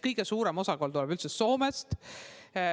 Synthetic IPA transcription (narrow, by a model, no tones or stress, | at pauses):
kɤjɡ̥e̞suːɾe̞mo̞sɑkolt̪ulɛb̥ylt̪seso̞ːmest̪